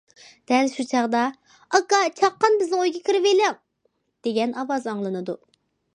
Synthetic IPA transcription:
d̪̥ɛlʃut͡ʃʰɑʁd̪ɑ | ɑkɑt͡ʃʰɑqːɑnbɪznɪŋojɡekʲʰiɾɪvelɪŋ | d̪̥eɡʲɛnɑwɑzɑŋlˠɨnɨd̪u

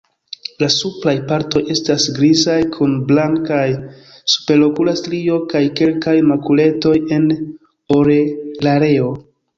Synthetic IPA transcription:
lasuplajpaɾto̞je̞stasɡɾizajkʰunblaŋkaj | su̥pe̞ɾlo̞kulastɾio̞kajke̞lkajmakule̞to̞je̞n | o̞ɾelaɾe̞o̞

